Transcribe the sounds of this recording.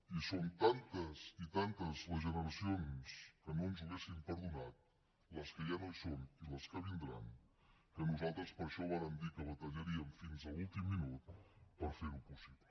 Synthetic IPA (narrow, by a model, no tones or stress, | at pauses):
isont̪ant̪əsit̪ant̪əzləzʒənəɾəsionskənonzuɣ̞esimpəɾðunat̪̚ | ləskəjanosoniləskəβ̞ind̪ɾan | kənuzalˠt̪ɾəspəɾʃɔβaɾəmd̪ikəβət̪əʎəɾiəmfinzəlulˠt̪imːinut̪̚pəɾfeɾupusiβlə